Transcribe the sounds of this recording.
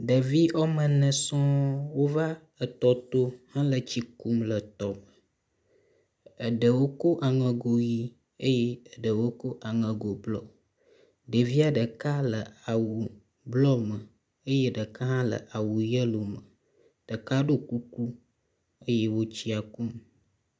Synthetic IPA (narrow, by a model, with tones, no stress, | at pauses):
ɖə˨vi˦ʔɔ˦mə̃˨nɛ̃˨sɔ̃˦wo˦va˦ | ə˨t̪ɔ˨t̪o˦hã˦lə˨t͡ɕi˦ku˦mlə˨t̪ɔ˨mə˨ | ə˨ɖə˨wo˦ko˦ʔa˨ŋə̃˨ɡo˨ji˦ | e˦jɛ˦ə˨ɖə˨wo˦ko˦ʔa˨ŋə̃˨ɡo˨blɔ˦ | ɖə˨vi˦a˨ɖə˨ka˦lə˨a˨wu˨ | blɔ˦mə˨ | ə˦je˦ɖə˨ka˦ɦã˦lə̰˨ʔa˨wu˨jə˦lo˨mə˨ | ɖ̥ə˨ka˦ɖo˦ku˦ku˦ | ə˦je˦wo˦t͡ɕi˦a˨ku˦m